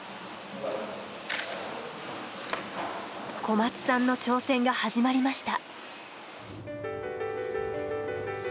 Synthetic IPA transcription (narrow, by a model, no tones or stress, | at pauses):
kʰo̞mat͡sɨ̥sãnːo̞t͡ɕo̞ːsẽ̞ŋɡahaʑimaɾʲimaɕi̥t̪a̰